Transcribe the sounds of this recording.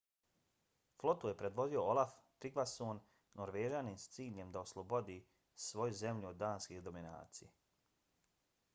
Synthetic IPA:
flˠo̞t̪uje̞pɾe̞d̪ʋo̞d̪io̞olˠafp̪ɾiɡlasoːnː | oɾʋeːʒaːniːmst̪siːʎe̞md̪aoslˠo̞bod̪iː | sʋo̞juze̞mʎuod̪d̪aːnskiːhd̪o̞mina̰ːt̪sije

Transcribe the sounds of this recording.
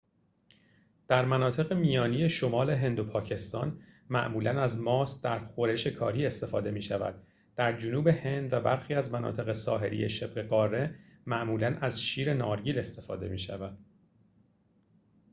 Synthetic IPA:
d̪̥æɾmænɒːt̪ʰe̞ɣemijɒːnije̞ʃomɒːle̞ɦe̞nd̪opʰɒːcʰe̞st̪ɒːnmæ̰ʔmuːlænæzmɒːsd̪æɾxo̞ɾe̞ʃe̞kʰɒːɾiːe̞st̪e̞fɒ̰ːd̪e̞miːʃævæ̰d̪̥ | d̪̥æɾd͡ʒonuːbe̞he̞nd̪væbæɾxiːæzmænɒ̰ːt̪ʰe̞ɣe̞sɒ̰ːɦe̞̰ɾḭje̞̰ʃe̞bɣe̞ɢɒːrːe̞mæʔmuːlænæzʃiːɾe̞nɒːɾɟiːle̞st̪e̞fɒ̰ːd̪e̞̰miːʃævæd̪̥̚

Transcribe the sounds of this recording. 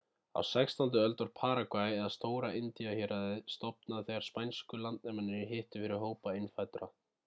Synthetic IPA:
a̰wsɛkst̪ʰɔnt̪̬ʏœlt̪aɾ̥pʰaːɾakvajɛðast̪oːwɾaʔɪnt̪iaçɛɾaðɪst̪ɔpnaðθɛɣaɾ̥spajnskʏlant̪̚nɛmanɪɾɪɦɪht̪ʏfɪɾɪɾɦoːwpaɪnfajt̪ɾa

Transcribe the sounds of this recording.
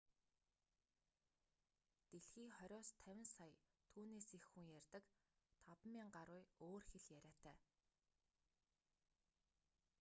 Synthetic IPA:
t̪eɮxiːχœɾʲɔːst̪ʰæwʲɪ̆nsajt̪ʰuːneːsexːuŋjærʲt̪ə̆kt̪ʰɔpmiːŋɢaɾʊːjoːrxeɮjæɾʲæːt̪ʰæː

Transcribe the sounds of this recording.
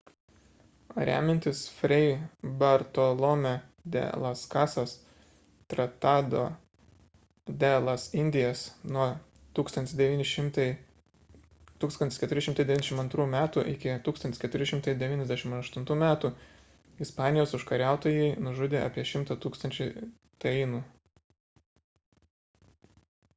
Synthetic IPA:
oɾʲæ̰ːmʲɛnʲt̪ʲɪsfʲɾʲɛɪbɐɾt̪olˠoːmʲɛd̪ʲɛ̰lˠɐskɑːsɐs | t̪ɾɐt̪ɑːd̪oː | d̪ʲelˠɐsɪnʲd̪ʲɪjɛsnuɔ | t̪uːkst̪ɐnt̪ʲɪsd̪ʲɛʋʲiːnʲɪʃʲɪmt̪ɐɪ | t̪uːksɐnt̪ʲɪskʲɛt̪ʊɾʲɪʃʲɪmt̪ɐɪd̪ʲɛʋʲinʲɛʃʲɪmɐnt̪ɾuːmʲæːt̪uːʔɪkʲɪt̪uːkst̪ɐnt̪ʲɪskʲɛt̪ʊɾʲɪʃʲɪmt̪ɐɪd̪ʲɛʋʲiːnʲɛzd̪ʲæʃʲɪmɐɐʃt̪ʊnt̪uːmʲæːt̪uː | ɪspɑːnʲɪjoːsʊʃkɐɾʲæˑʊt̪oːjɛɪnʊʒʊd̪ʲeːɑ̰ːpʲiɛʃʲɪmt̪ɐt̪uːkst̪ɐnʲt͡ʃʲʊɪ | t̪ɐɪnuː

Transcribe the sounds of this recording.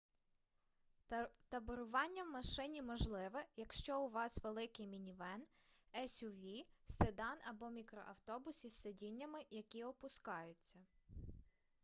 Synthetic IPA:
t̪ɐbɔɾʊʋɑnʲːɐwmɐʃɪnʲimɔʒlˠɪʋɛjɐkʃt͡ʃɔʊʋɑsʋelˠɪkɪjmʲinʲiʋɛn | ɛsʲuʋʲised̪ɑnɐbɔmʲikɾɔ̰ʔɐwt̪ɔbʊsisːedʲinʲːɐmɪjɐkʲiɔpʊskɑjʊt͡sʲːɐ

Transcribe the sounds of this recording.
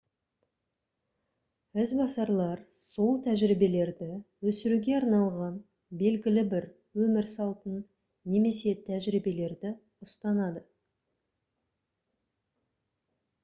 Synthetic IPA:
ɪzbɑsɑɾlˠɑɾso̞lˠt̪ʰæʒɾibe̞le̞ɾd̪ɪwɵsɪɾuɡʲe̞ɑɾnɑlˠʁɑn | be̞lɡʲɪlɪbɪɾ | wɵmɪɾsɑlˠt̪ənː | e̞me̞se̞t̪ʰæʒɾibe̞le̞ɾd̪ɪ | ʊst̪ɑnɑd̪ə

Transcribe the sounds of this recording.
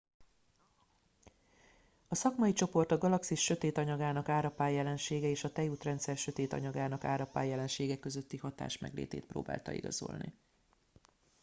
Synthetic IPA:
ɒsɒkmɒjit͡ʃo̞po̞rt̪ɒɡɒlɒksiʃʃø̞t̪eːt̪ɒɲɒɡaːnɒkaːɾɒpaːjːɛlɛnʃeːɡɛeːʃɒt̪ɛjuːt̪rɛnt̪sɛrʃø̞t̪eːt̪ɒ̰ɲɒɡaːnɒka̰ːɾɒpa̰ːjːɛlɛnʃeːɡɛkːø̞zø̞t̪ːihɒt̪a̰ːʃmɛ̰ɡlḛːt̪ḛːt̪̚pro̰ːba̰ːlt̪ɒ̰ḭɡɒ̰zo̞̰lnḭ

